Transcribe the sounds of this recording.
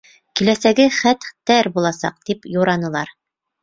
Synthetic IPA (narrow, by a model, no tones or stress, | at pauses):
kilæsæɡɘχæt̪t̪ːæɾbulˠɑsɑ̰q̚t̪ipjuɾɑnɤ̆lˠɑɾ